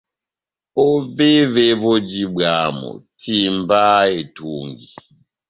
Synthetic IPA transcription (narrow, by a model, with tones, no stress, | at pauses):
o˦ve˦ve˦βo˦d͡ʒi˦ba˨mɔ̰˨tʰi˨mba˦e˨tu˨ŋɡi˨